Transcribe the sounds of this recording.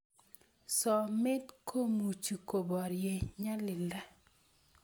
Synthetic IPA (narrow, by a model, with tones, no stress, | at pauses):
sɔ˨mɪ˦t̪kʰo˦mu˨t͡ʃu˨ko˨bɔ˨ɾje˨ɲa˦lɪ˨la˦